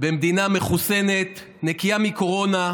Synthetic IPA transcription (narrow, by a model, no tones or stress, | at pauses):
bemd̪iname̞χuse̞ne̞t̪ | nekiamiko̞ʁo̞na